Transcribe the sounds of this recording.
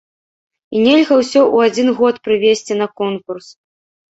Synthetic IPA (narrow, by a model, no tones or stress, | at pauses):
inʲelʲɣɐwsʲɔʔuad͡zʲinɣɔt̪pɾɨvʲesʲt͡sʲin̪ɐkɔnkurs